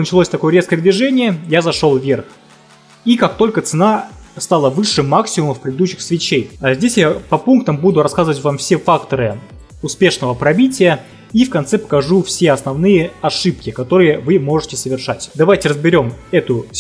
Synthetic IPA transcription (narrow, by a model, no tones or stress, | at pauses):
nət͡ɕɪlˠosʲt̪ɐko̞jəɾʲeskəjəd̪vʲɪʐɛnʲɪjəjazɐʂo̞lˠvʲe̞rx | ikak̚t̪o̞lʲkət̪sɨnast̪alˠəvɨʂːɨmaksʲɪmʊməfpɾʲɪd̪ɪd̪uɕːɪxsvʲɪt͡ɕejazʲdʲesʲjapɐpunk̚t̪əmbud̪ʊɾɐskazɨvətʲvamfsʲefakt̪əɾɨ | ʊspʲe̞ʂnəvəpɾɐbʲitʲɪjə | ifkɐnt̪sɛpə̥kɐʐufsʲeɐsnɐvnɨjəɐʂɨpkʲɪkɐt̪o̞ɾɨjəvɨmo̞ʐɨtʲɪsəvʲɪrʂatʲd̪ɐvajtʲɪɾəzbʲɪɾʲo̞mɛt̪ʊ